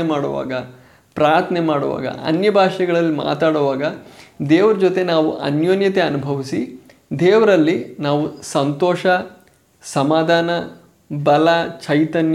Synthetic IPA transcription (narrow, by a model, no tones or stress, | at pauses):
emaːɽɔʋa̰ːɡɐ | pɾaːɾt̪ʰɐnemaːɽɔ̰ʋa̰ːɡɐ̰ʔɐ̰njɐbʱaːʂɛɡɐɭɐlːima̰ːt̪aːɽɔʋaːɡɐd̪eːʋɐɾɐd͡ʒot̪e̞naːʋuʔɐ̰njoːnjɐt̪e̞ɐnubʱɐʋisi | d̪eːʋɐɾɐlːinaːʋusɐnt̪ɔːʂɐ | sɐmaːd̪ʱaːnɐ | bɐlat͡ʃɐjt̪ɐnj